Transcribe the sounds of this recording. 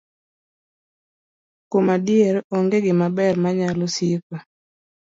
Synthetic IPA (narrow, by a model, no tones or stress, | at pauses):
komadjeɾɔŋɡeɡɪmabɛrmaɲalɔsipa